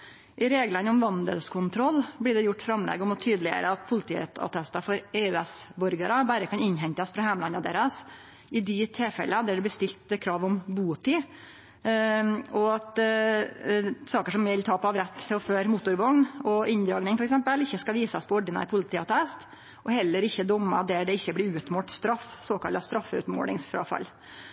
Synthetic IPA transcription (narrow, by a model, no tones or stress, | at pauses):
ʔɪɾeːɡlənəɔmʋɑnd̪ə̰lskʰʊnt̪ʰɾɔlːb̪ɪːɖɛjʊʈːfɾɑmlɛ̰ːɡəɔmɔt̪ʰyːd̪əlɪə̰ɾəɑt̪pʰʊlɪt̪ʰiːɑ̰t̪ʰɛst̪ɑfɔɾeːʉɛsbɔɾɡəɾəbæɾəkʰɑnɪnːɦɛɲt̪ɑsfɾɑhæːmlɑnɑd̪ḛːɾəs | ɪd̪ɪt̪ʰeːfɛ̰ləd̪ɛæɖɛb̪ɪst̪ɪlt̪kʰɾɑːʋɔmbuːt̪i | ɔɑt̪ | sɑːkəʂɔmʋʋɪlt̪ʰɑːpɔɑʋɾɛt̪ːɪɔføːɾmʊt̪ːʊɾʋɑnɔʔɪnd̪ɾɑːɡnɪŋfɔɾɛksɛmpəlɪçːəskɑʋiːsɑspʰɔɔɖənɑ̰ɪpʰʊlɪt̪ʰiːɑt̪ʰɛst̪ | ʔɔhɛlːəɾɪçːəd̪ɔmːɑd̪æɖɛɪçːəblɪɾʉːt̪moːʈst̪ɾɑfsoːkʰɑlɑst̪ɾɑfːəʉ̰t̪mo̰ːɽɪŋsfɾɑ̰ːfɑ̰lː